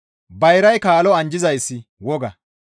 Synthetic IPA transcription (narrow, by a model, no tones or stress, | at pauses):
bɐjɾɐjkaːlɔɐnd͡ʒɪzɐjsːɪ | wɔɡɐ